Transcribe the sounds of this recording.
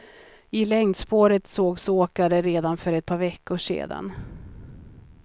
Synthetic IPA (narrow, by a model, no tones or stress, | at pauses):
ɪlɛŋd̪spoːɾət̪soːɡsoːkad̪əɾeːd̪anfœɾɛt̪̚pʰɑːɾvɛkːʊʂḛːd̪a̰n